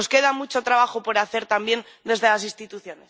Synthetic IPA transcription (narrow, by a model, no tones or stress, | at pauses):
oske̞ðamut͡ʃo̞t̪ɾaβ̞axopo̞ɾaθe̞ɾt̪ambje̞n | d̪e̞zð̞e̞lasinst̪it̪uθjo̞nes